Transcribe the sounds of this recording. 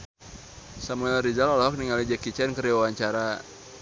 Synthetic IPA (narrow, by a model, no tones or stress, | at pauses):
samuɛlɾizalɔlaɦɔk̚niŋalid͡ʒɛkit͡ʃɛnkəɾiwawaɲt͡ʃaɾa